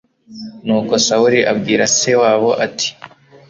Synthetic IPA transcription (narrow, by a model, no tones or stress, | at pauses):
nuːko̞sauɾiʔabɡiːɾase̞waːβo̞ʔatʰi̥